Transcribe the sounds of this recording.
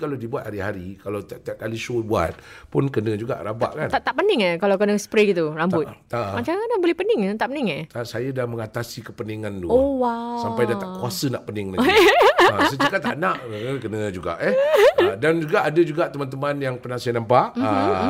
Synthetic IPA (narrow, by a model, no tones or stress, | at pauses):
kaladibuat̪haɾihaɾikalat̪t̪iaʔkaliʃobua̰t̪̚pʊnkənə̃d͡ʒuɡa̰ʔɾaba̰ʔkant̪at̪aʔpənɪŋəkalawkənəsə̥pɾeɡit̪uɾambʊt̪̚t̪amat͡ʃakanabolɛhpənɪŋət̪aʔpəniŋət̪asajadaməŋat̪asikəpəniŋant̪uowasampajdaaʔkuasənaʔpənɪŋla | səəkat̪aʔnaʔəkənə̃d͡ʒuɡa̰ʔədand͡ʒuɡaʔadəd͡ʒuɡaʔt̪əmant̪əmanjaŋpənasajanampaʔ